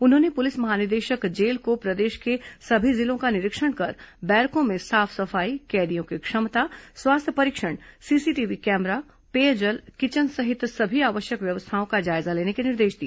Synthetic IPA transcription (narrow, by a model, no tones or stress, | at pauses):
ʊnɦõːnepʊlɪsmɐɦaːnɪɾd̪eːʃəkd͡ʒeːlkopɾɐd̪eːʃkesɐbʱizɪlõkanɪɾɪkʃəɽ̃kɐɾbɛːɾkõmẽsaːfʰsɐfaːikɛːɾijõkikʃɐmt̪aswaːst̪ʰjəpɐɾɪkʃəɽ̃siːsiʈiːʋikɛːmɾa | peːəd͡ʒəlkɪt͡ʃənɡsɐɦɪt̪sɐbʱiaːʋəʃjəkʋjɐʋəst̪ʰaːõkad͡ʒaːɪzaleːnekenɪɾd̪eːʃd̪iːa